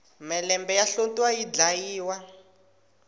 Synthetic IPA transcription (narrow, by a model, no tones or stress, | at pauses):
mɛlɛmbɛjaɬontiwajid͡ɮajiːwa